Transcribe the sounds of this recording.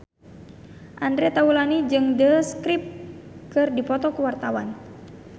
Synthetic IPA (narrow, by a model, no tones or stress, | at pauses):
ʔandɾɛt̪aulanid͡ʒɨŋdəskɾip̚kɨrdipɔt̪ɔkuwart̪awan